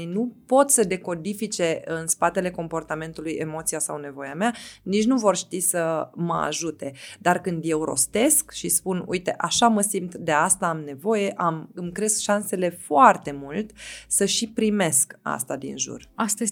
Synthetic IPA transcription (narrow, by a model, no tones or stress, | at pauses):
nupo̞t̪səd̪e̞ko̞d̪ifit͡ʃe̞ɨnspat̪e̞le̞ko̞mpo̞rt̪ame̞nt̪uluje̞mo̞t̪sijasawne̞vo̞jameanit͡ʃnuvo̞rʃt̪isəməa̰ʒut̪e̞d̪arkɨnd̪je̞wɾo̞̰st̪e̞skʃispunṵjt̪e̞ʔaʃaməsimt̪d̪e̞ast̪aamne̞vo̞je̞ʔamɨmkɾe̞skʃanse̞le̞foart̪e̞mult̪ʲsəʃipɾime̞ska̰st̪ad̪ḭnʒṵrast̪e